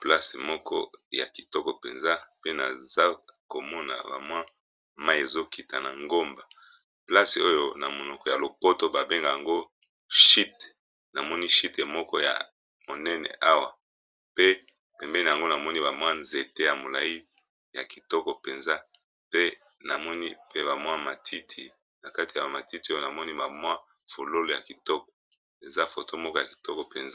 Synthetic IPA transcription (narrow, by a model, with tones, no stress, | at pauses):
pla˦se˨mɔ˦kʰɔ̰˦ja̰˨ki˨tɔ˦kɔ˨pe˨nza˦pe˦na˨za˦ko˨mɔ˦na̰˨ba̰˨mwa˦ | ma˦je˨zo˦ki˨ta˨na˨ŋɡo˦mba˨ | pla˦se˨o˦jo˦˨na˨mo˨nɔ˨kɔ˨ja˨lo˨po˦to˦ba˨be˦ŋɡa˨ja˨ŋɡo˦ | ʃi˦t | na˨mɔ˦ni˦ʃi˦tmɔ˦kɔ˦ja̰˨ | mo˨nɛ˦nɛ̰˨ʔa˦wa˨ | pe˦ | pɛ˨mbɛ˦ni˨ja˨ŋɡo˦na˨mɔ˦ni˦ba˨mwa˦nze˨te˦ja˨mo˨la˨ji˦ | ja̰˨ki˨tɔ˦kɔ˨pe˨nza˦ | pe˦ | na˨mɔ˦ni˦pe˦ba˨mwa˦ma˨tʰi˦tʰi˨ | na˨ka˦ti˨ja˨ma˨ti˦ti˨˦o˦jo˦˨na˨mɔ˦ni˦ba˨mwa˦ | fo˨lo˦lo˨ja˨ki˨tɔ˦kɔ̥˨ | e˨za˦fo˨to˦mɔ˦kɔ˦ja˨ki̥˨tɔ˦kɔ˨pe˨nza˦